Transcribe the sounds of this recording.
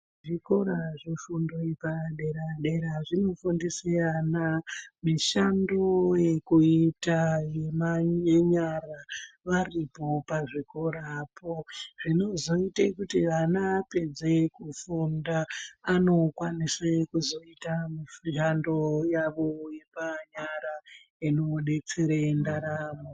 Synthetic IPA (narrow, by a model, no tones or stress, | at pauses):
ʐiko̞ɾaʐifundo̞ipaɗe̞ɾaɗe̞ɾaʐino̞fundesianamiʃandojekuitajemajeɲaraʋaripo̞paʐiko̞ɾapʰoʐino̞zo̞itekutiʋanaːpe̞d͡ze̞kufundaːno̞kwanisekuzo̞itamiʃandojaʋo̞je̞paɲaɾa | inoɗe̞t͡seɾendaɾaːmo